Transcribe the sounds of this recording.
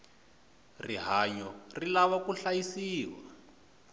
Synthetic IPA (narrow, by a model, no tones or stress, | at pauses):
riɦaɲɔrilaβakuɬajisiːwa